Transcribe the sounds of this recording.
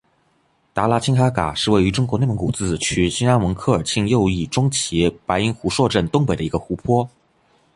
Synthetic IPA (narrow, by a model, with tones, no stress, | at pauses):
t̪a˧˥la˧˥t͡ɕʰi˥ŋxa˥ka̰˨˩ʂɻ̩˥˧we˥˩ɪy˧˥ʈ͡ʂʊ˥ŋkwɔ˧˥n˥˩mə˧˥ŋku˨˩t͡sɹ̩˥˩t͡ɕʰy˧˥ɕi˥na˥nwɤ˧˥ŋkʰɤ˥˩ə˞˨˩t͡ɕʰi˥˧ŋjo˥˧ʊi˥˩ʈ͡ʂʊ˥ŋt͡ɕʰi˧˥pa˧˥ɪi˥ŋxu˧˥ʂwɔ˥˧ʈ͡ʂə˥˩nt̪ʊ˥ŋp̬e˨˩ɪd̪ə˩i˧˥ɡə˧xu˧˥pʰwɔ˥